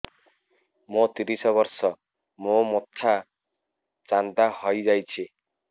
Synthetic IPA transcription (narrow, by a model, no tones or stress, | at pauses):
mot̪iɾisɔβɔɾsɔ | momot̪ʰːa | t͡ʃand̪ahɔjd͡ʒajt͡ʃʰi